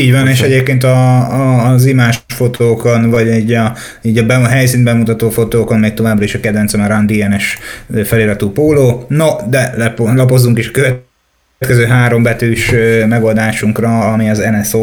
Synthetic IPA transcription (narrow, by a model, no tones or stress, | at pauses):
iːɟvɒneːʃɛɟeːp̚keːnt̪̬ɒː | zimaːʃfo̞t̪ʰoːkonvɒɟɟɒ | iːɟɒbɛɦɛjsiːnd̪bɛmut̪ɒt̪oːfo̞t̪oːkonmeːk̚t̪o̞vaːbrɒiʃɒkɛd̪vɛnsɒmɛrand̪iɛnɛʃfɛleːɾɒt̪uːpoːloːnod̪ɛlɛplɒpo̞zːuŋkiʃɒkøvɛ | t̪kɛzøːɦaːɾo̞mbɛt̪yːʃømɛɡo̞ld̪aːʃuŋkrɒːmiɒzɛnɛso